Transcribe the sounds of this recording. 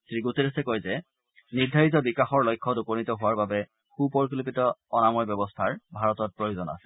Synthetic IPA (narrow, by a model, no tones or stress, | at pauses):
sɹiɡuteɹɛsɛkɔjzɛ | niɹdʱaɹitɔbikaxɔɹlɔjkʰːɔdupɔnitɔɦʊwaɹbabɛ | xupɔɹk̬ilipitɔɔnamɔjbjɔbɔstʰaɹbʱaɹɔtɔt̚pɹɔjozɔna̰sɛ̥